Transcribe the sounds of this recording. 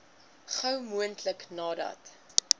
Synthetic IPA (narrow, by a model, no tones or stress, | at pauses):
χəwmuəntləknɑːdɐ̰t